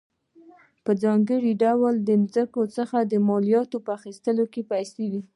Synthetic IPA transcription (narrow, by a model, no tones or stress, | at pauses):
pəd͡zɑŋɡəɽiɖawəld̪əmzəkot͡səxad̪əmɑlijɑt̪opəaxist̪əlokepajsewi